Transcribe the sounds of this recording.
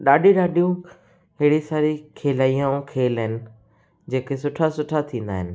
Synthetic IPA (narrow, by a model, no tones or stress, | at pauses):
ɗaːɗĩɗaːɗʱijũ | ɦɪɽisaːɾikʰeːlaːijãũkʰeːlɦɪnɪ̆ | d͡ʑeːkesʊʈʰasʊʈʰat̪ʰĩːn̆d̪a̰ːɦɪnɪ̆